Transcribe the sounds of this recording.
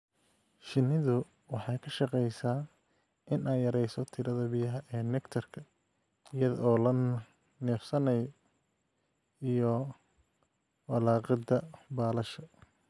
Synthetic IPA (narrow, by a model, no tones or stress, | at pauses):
ʃɪnɪðʊ | wɑħɑjkʰɐʃɑqɛjsaː | ʔɪnɛːjɐɾɛjsɔt̪ʰɪɾɐðɐbijɐɦɐʔɛːnɛkt̪ʰɐrkʰɐ | ɪjɐðɔːlɐ | nɛːfsɐnɐjɔ | ijɔ | wɐlɑːqɑd̪ɐbaːlɐʃɐ